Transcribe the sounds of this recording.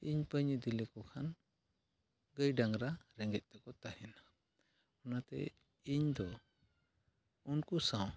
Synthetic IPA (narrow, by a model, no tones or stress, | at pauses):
iɲpəɲəd̪ilikɔkʰan | ɡəjɖaŋɾaɾɛŋɡɛc̪̚ˀt̪ɛkɔt̪aɦɛna | ɔnat̪ɛ̰ | iɲd̪ɔ | unkusãw